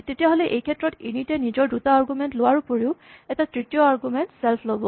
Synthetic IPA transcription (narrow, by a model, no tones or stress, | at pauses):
tetijaɦolɛʔejkʰɛtɹɔtinitɛnizɔɹdutaːɹɡumɛntlowaɹupoɹiʊ | ɛtatɹitijɔaɹɡumɛntsɛlpʰlobɔ